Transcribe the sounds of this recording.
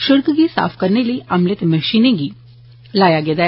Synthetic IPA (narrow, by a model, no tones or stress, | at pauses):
ʃɪɾkɡisa̰ːpʰkəɾneləiʔɐmlɪt̪məʃiːnẽɡiː | laːjaɡed̪a